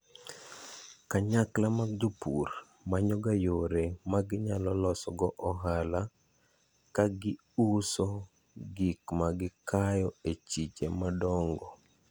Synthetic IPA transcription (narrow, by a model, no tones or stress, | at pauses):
kaɲaklamaɡ̚d͡ʒopur | maɲɔɡajoɾemaɡɪɲalɔlɔsɔɡɔʔɔɦala | kaɡɪ | usɔ | ɡikmaɡɪkajɔet͡ʃit͡ʃemadɔŋɡɔ